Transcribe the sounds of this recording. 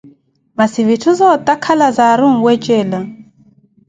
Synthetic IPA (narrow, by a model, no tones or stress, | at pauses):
masiβitʰuzɔtʼakʰalazaɾuŋ̩wɛt͡ʃʼɛla